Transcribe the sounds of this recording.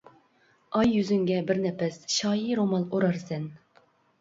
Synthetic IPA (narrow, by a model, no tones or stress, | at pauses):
ɑjːyzyŋɡʲɛbɪɾnɛpɛsʃɑːjiɾomɑlˠoɾɑɾsɛn